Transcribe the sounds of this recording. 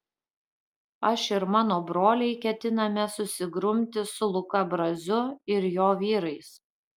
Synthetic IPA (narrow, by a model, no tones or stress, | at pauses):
ɐʃɪɾmɑːnoːbɾoːlʲɛɪkʲɛt̪ʲɪnɐmʲɛsʊsʲɪɡɾʊmʲt̪ʲɪsʊlˠʊkɐbɾɐzʲʊɪɾjoːʋʲiːɾɐɪs